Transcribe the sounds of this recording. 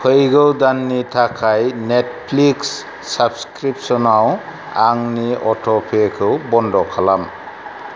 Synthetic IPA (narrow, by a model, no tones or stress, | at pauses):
pʰɯjɡɯwdanːitʰakʰajnet̚pʰliksː | abskɾip̚sɔnaw | aŋniɔtʰɔpʰekʰɯwbɔndɔkʰalam